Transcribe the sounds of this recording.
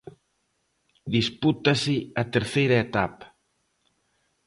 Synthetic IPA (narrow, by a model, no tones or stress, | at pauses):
d̪isput̪ɐsɪat̪eɾθejɾɐet̪apḁ